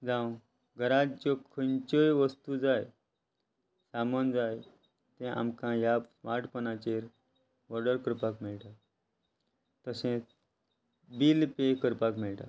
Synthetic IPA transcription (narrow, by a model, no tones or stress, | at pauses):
d͡zãw | ɡʱəɾad͡ʑt͡ɕokʰənt͡ɕəjʋəst̪ud͡zaj | samənd͡zaj | t̪ẽʔa̰mkãjasmaʈpənat͡ɕeɾ | ʋɔɾɽəɾkəɾpakmiɭʈat̪ | t̪əsẽt͡s | biːlpekəɾpakmiɭʈa̰t̪